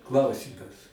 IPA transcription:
ˈklˠɐʊsʲiːmɐs

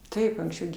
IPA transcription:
ˈtɐɪp ɐŋksʲˈt͡ʃʲɛʊ ɡʲɪ

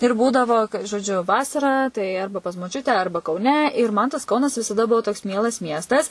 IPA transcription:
ɪr ˈbuːdɐʋoː ʒoːˈd͡ʒʲʊ ˈʋɑːsɐrɑː tɐɪ ˈɐrbɐ pɐs moːˈt͡ʃʲʊtʲɛ ˈɐrbɐ kɐʊˈnʲɛ ɪr mɐn tɐs ˈkɐʊnɐs ʋʲɪsɐˈdɐ ˈbʊʋoː toːks ˈmʲiɛlˠɐs ˈmʲiɛstɐs

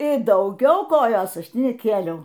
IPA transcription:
ɪ dɐʊˈɡʲɛʊ ˈkoːjoːs ˈɐʃ ˈtʲɪ nʲɛˈkʲeːlʲɛʊ

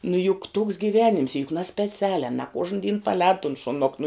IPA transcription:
nʊ jʊk tuːks ɡʲiːˈʋʲæːnʲɪms jʊk nɐsʲpʲɛˈt͡sʲæːlʲæː nɐ ˈkuɔʒn dʲiːn pɐˈlʲɛːt tʊn ʃʊˈnoːk nʊ

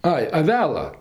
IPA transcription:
ˈɐɪ ɐˈʋʲæːlˠɐ

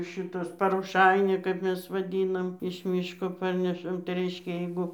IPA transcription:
ˈʃʲɪtɐs pɐroːˈʃɐɪnʲɛ kɐp ˈmʲɛs ʋɐˈdʲiːnɐm ɪʃ ˈmʲiːʃkoː ˈpɐrʲnʲɛʃɐm tɐɪ ˈrʲɛɪʃʲkʲɛ ˈjɛɪɡʊ

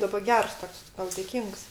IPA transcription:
ˈdɑːbɐ ˈɡʲɛrs ˈtoːks ˈtɐʊ dʲeːˈkʲiːŋks

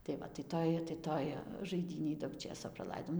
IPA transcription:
tɐɪ ˈʋɐ tɐɪ ˈtoːj tɐɪ ˈtoːj ʒɐɪˈdʲiːnʲeːj dɐʊk ˈt͡ʃʲeːsoː prɐˈlˠɐɪdoːm

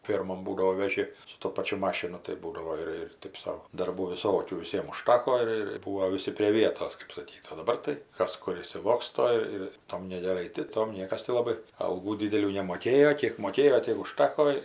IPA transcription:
ˈfʲeːrmoːn ˈbuːdɐoː ʋʲɛˈʒʲɪ sʊ toː ˈpɑːt͡ʃʲʊ ˈmɑːʃʲɪnʊ tɐɪ ˈbuːdɐʋoː ɪr ɪr ˈtɜp sɐʊ dɐrˈbuː ʋʲɪˈsoːkʲuː ʋʲɪˈsʲiɛm ʊˈʃtɑːkoː ɪr ɪr ˈbuːoː ʋʲɪˈsʲɪ pʲrʲeː ˈʋʲiɛtoːs kɜp sɐˈkʲiːt oː dɐˈbɐr tɐɪ ˈkɐs ˈkʊr ɪʃʲsʲɪˈlˠoːkstoː ɪr ˈtoːm nʲɛɡʲɛˈrɐɪ tʲɪ ˈtoːm ˈnʲiɛkɐs tʲɪ lˠɐˈbɐɪ ɐlˠˈɡuː ˈdʲiːdʲɛlʲuː nʲɛmoːˈkʲeːjoː ˈkʲiɛk moːˈkʲeːjoː ˈtʲiɛk ʊˈʃtɑːkoː

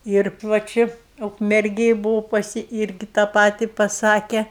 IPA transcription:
ɪr ʋɐ ˈt͡ʃʲɪ ʊkmʲɛrʲˈɡʲeːj bʊˈʋɐʊ pɐˈsʲɪ ˈɪrʲɡʲɪ tɑː ˈpɑːtʲɪ pɐˈsɑːkʲɛ

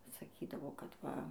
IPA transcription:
sɐˈkʲiːdɐʋoː kɐt ˈʋɐ

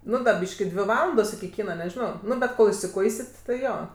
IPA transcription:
ˈnʊ ˈbʲiːʃʲkʲɪ ˈdʲʋʲɪ ˈʋɑːlˠɐndoːs ɪkʲɪ ˈkʲiːnɐ nʲɛˈʒʲɪnoː ˈnʊ bʲɛt ˈkoːlˠ ɪsʲɪˈkʊɪsʲɪt tʲɪ ˈjoː

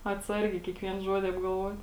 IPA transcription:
ɐtˈsɐrʲɡʲɛɪ kʲiɛkˈʋʲiɛn ˈʒuɔdʲɪ ɐbɡɐlˠˈʋuɔtʲ

